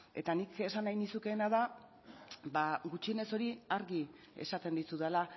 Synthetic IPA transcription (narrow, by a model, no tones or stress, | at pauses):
e̞t̪anike̞sanːajnisuke̞ːnaða | baɡut͡ʃiene̞so̞ɾiaɾɣi | e̞̰sat̪e̞nd̪isuðala